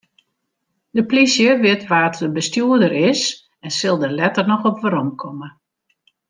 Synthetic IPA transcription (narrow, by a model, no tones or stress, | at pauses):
dəplisjəʋɪtʋaːtdəbəstjuədəɾɪs | ɛnsɪlˠdərlɛtərnɔxɔpʋəɾɔmkʰɔmə